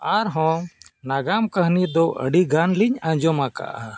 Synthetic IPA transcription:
aɾɦɔ̃naɡamkəɦnid̪ɔʔə̰ɖiɡanliɲãd͡ʒɔmaka̰ʔa

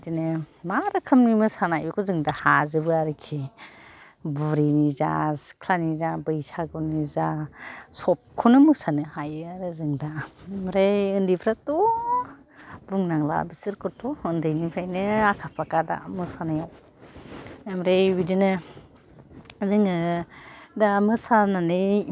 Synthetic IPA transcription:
dinɯmaɾɯkʰɯmnimɯsanajɯkʰuzɯŋdahazɯbɯaɾɯkʰi | buɾiniza̰skʰlanizabɯjsʰaɡɯnizasɔp̚kʰunɯmɯsanɯhajɯaɾɯzɯŋdamɾejɯndibʰɾatu | buŋnaŋla̰bisɯɾkɯɾtʰuɯndɯjnipʰajnɯakʰapʰakada̰mɯsanajaw | mɾejwidinɯ | zɯŋɯ | damɯsananɯj

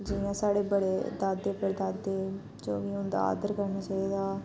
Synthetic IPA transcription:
d͡ʒɪjãːsaːɽeːbəɽeːd̪aːd̪eːpəɾd̪aːd̪eː | d͡ʒoːʋiːʊnd̪a̰a̰ːd̪əɾkəɾnaːt͡ʃaːiːd̪aː

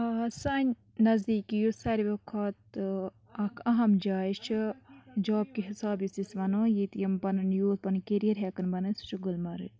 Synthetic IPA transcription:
sɐɲʲ | nɐzd̪iːkijusɐɾiʋɐkʰɐt̪ | ɐkʰɐɦɐmd͡ʒaːit͡ʃʰid͡ʒoːb̚kiɦisaːbjisisʋɐnoːjit̪jɐmpɐnɨnjuːt̪̚pɐnkeɾijɐɾɦekɐnbɐnɨst͡ʃʰiɡulmɐɾɨ

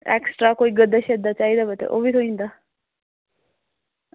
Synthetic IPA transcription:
ḛksʈɾakoiɡəd̪aɕɛd̪at͡ʃaɦid̪abət̪ḛʔo̰bit̪ʰoĩnd̪a

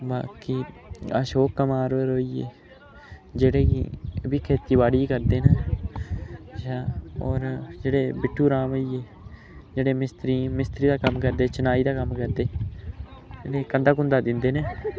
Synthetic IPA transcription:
ba̰ːkiː | əʃoːkːəmaːɾɾoːiːḛː | d͡ʒeːɽeːɡḭəbiːkʰeːt̪iːbaːɽiːkəɾd̪eːna | ʃaːɔːɾd͡ʒeːɽeːbɪʈʰːuːɾaːməieː | d͡ʒeːɽeːmɪst̪ɾiːmɪst̪ɾiːd̪aːkəmːkəɾd̪eːt͡ʃənaːiːd̪aːkəmkəɾd̪eː | eneːkənd̪aːkʊnd̪aːd̪ɪnd̪eːneː

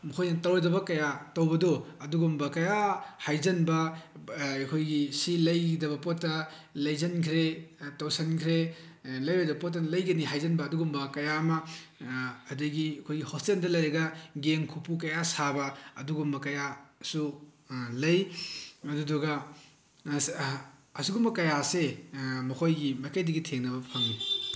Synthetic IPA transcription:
mukʰojnɐtɐwjdɐbɐkɐjatɐwbɐdoɐduɡumbɐkɐjahajzɐnbɐ | ɐkʰojɡisilɐjdɐbɐpotːɐ | lɐjzɐnkʰɾetɐwsɐnkʰɾelɐjbɐdɐbɐpot̬ːɐnlɐjɡɐniɦajzɐnbɐːduɡumbɐkɐjaːmɐ | ɐduɡiɐkʰojɡihostendɐlɐjɾɐɡɐɡeŋkʰupukɐjasabɐɐ̰duɡumbɐkɐjasu | lɐjɐdudɔɡɐ | ɐsuɡumbɐkɐjasemɐkʰojɡimɐjkɐjdɐɡitʰeŋnɐbɐpʰɐŋi

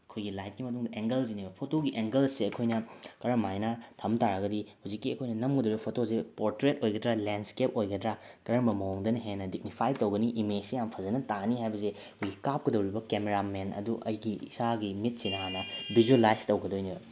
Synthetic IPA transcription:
ɐkʰojɡilajt̚kimɐtuŋdɐʔeŋɡɐlsinibɐpʰotoɡiʔeŋɡelsːeɐkʰojnɐkɐɾɐmajnɐtʰɐmtaɾɐɡɐdihuzikːiɐkʰojnɐnɐmɡɐdɐwɾibɐpʰotozepoɾtɾet̚ojɡɐdɾalenskep̚ojɡɐdɾakɐɾɐmɐmɐoŋdɐnɐɦenɐdik̚nipʰajtɐwɡɐniʔimed͡ʒsejampʰɐzɐnɐtaɡniɦajbɐze | kʰojɡikap̚kɐdɐwɾibɐkemeɾamenɐ̰duʔɐjɡḭːsaɡimit̚sinɐhanɐbʱizuelajztɐwɡɐdojnibɐ

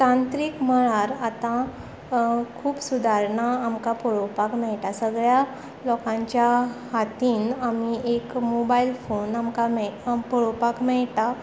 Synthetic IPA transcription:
tãnt̪ɾiːkm̤əɭaɾat̪ã | kʰuːpsud̪ʱaɾɳaːmkapɔɭopakmɛɭʈasəɡɭja | lɔkãɲt͡ɕjahat̪iːnamiekmobailfonamkamɛpɔɭopakmɛɭʈa

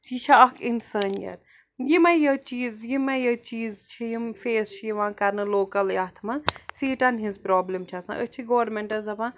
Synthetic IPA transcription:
it͡ʃʰaɐkʰinsəːnjɐ̰ɾ | jimɐ̃jɐt͡ʃiːzjimɐjɐt͡ʃiːzt͡ʃʰijimfeːst͡ʃʰijiʋãːkɐɾnɨloːkɐljaːt̪ʰmɐsiːʈanɦizpɾaːblimt͡ʃʰɐsã̰ʔət͡ʃʰiɡoːʋɾmẽɳʈɐzɐʋãː

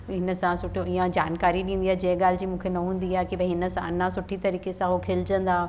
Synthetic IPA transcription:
ɦɪnə̆sãsʊʈʰijoiːãd͡ʑaːnkaːɾiɗĩːn̆d̪iːaːd͡ʑɐɦɠaːl̤ɪd͡ʑiːmũːkʰenɐɦũːn̆d̪iaːkibɛ̃ɦɪnə̆sãnãsʊʈʰit̪ɐɾiːkesãɦokʰeld͡ʑə̃nd̪aː

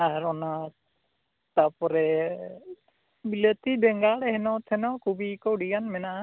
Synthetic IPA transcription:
aɾɔna | t̪apɔɾɛ | bilət̪ibɛŋɡaɽɛɦɛnɔt̪ʰɛnɔkʰubiːkɔɽijanmɛnaʔa

